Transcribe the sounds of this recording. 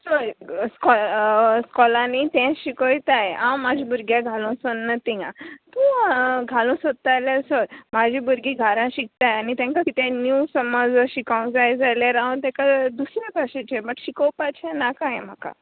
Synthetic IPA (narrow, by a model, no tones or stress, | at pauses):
soɾskɔskɔlãnit̪ɛ̃ɕikəjt̪ajãmːad͡ʑʱibuɾɡjaɡʱalũsənnət̪ijã̰t̪ũɡʱalũsot̪ːajlasoɾmad͡ʑʱibuɾɡiɡʱaɾãɕik̚t̪ajanit̪ãŋkakit̪ẽnjusəməd͡zɕikawũd͡zajd͡zaljaɾaũt̪ɛ̃kad̪usɾjakaɕẽt͡ɕebəʈɕikəwpat͡ɕʰanakãjẽm̤aka̰